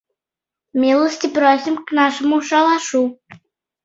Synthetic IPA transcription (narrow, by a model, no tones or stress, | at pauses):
mʲilˠəsʲtʲɪprosʲimknɑʂə̆muʂɑlˠɑʂu